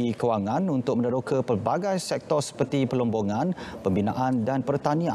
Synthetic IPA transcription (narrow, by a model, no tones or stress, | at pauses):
ikəwaŋãnunt̪ʊk̚mə̃nəɾokəpərbaɡajsɛk̚t̪ɔrsə̥pərt̪ipəlɔmboŋãnpəmbina̰ʔandanpərt̪anĩã